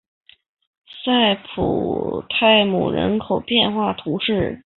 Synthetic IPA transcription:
sa˥˩ɪpʰṵ˨˩t̪ʰa˥˩ɪmṵ˨˩ɻə̰˧˥nkʰo˨˩ʊpjɛ˥˧nxwa˥˩t̪ʰu˧˥ʂɻ̩˥˩

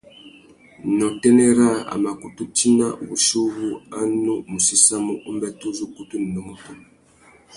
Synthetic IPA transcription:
nɔ˨tɛ˦nɛ˦ɾa˦˨a̰˨ma˨ku˨tu˦ti˦na̰˦˨wu˨ʃu˦βu˦a˦nu˦mu˨si˦sa˦mu˦ʔu˦mbɛ˦tu˦zu˦ku˦tu˦n̩˨nɔ˨mu˦tu˨

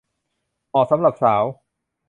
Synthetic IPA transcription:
ʔɔː˨˩k̚sa˩˦mɾa˨˩p̚saː˩˦w

